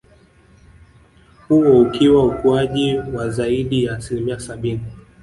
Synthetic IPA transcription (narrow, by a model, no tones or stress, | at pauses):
huɔukiwaukuaʄiwazaiɗijaːsilimiasaɓini